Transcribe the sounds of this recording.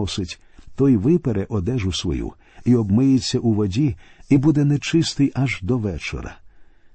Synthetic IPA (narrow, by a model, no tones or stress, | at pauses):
ɔsɪtʲ | t̪ɔjʋɪpɛɾɛʔɔd̪ɛʒʊsʋɔ̰jṵ | iɔbmɪjɪt͡sʲːɐʔuʋɔdʲiibud̪ɛnɛt͡ʃɪst̪ɪjɐʒd̪ɔʋɛt͡ʃɔ̰ɾɐ̰